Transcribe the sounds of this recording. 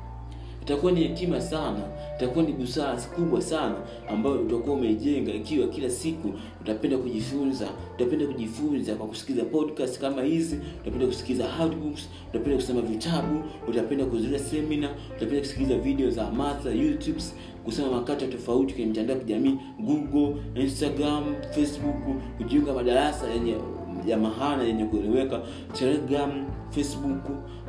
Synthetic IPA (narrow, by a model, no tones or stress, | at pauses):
itakuwanihatimasana | itakuwaniɓusakuɓwasanaː | mbajɔutakuaumɛiʄɛŋɡaikiwakilasiku | utapɛndakuʄifunzautapɛndakuʄifunzakwaku̥si̥kizapɔdkasti̥kamahiziutapɛndaku̥si̥klizahatbuks | utapɛndaku̥sɛmavitaɓuutapɛndakuzuliasɛmina | utapɛndaku̥si̥kilizaviɗɛɔzaːmaθajutubs | kusɛmamakatatɔfauti̥kwɛɲɛm̩tandaakiʄamiː | ɡuɡɔlinstaɡɾamfɛsɓukkuʄiuŋɡamaɗaɾasajɛɲɛ | ʄamaɦaɔnajɛɲɛkuɛlɛwɛka | tɛlɛɡɾamfɛsɓuk